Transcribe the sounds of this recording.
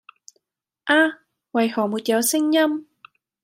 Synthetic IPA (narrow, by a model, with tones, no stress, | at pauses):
ʔaː˧ | wɐ˨jhɔː˨˩muː˨˩t̪̚jɐ˨˧wsɪ˥ŋjɐ˥m